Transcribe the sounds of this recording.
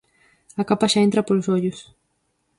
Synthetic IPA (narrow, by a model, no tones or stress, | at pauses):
akapaʃaent̪ɾɐpolosoʎʊs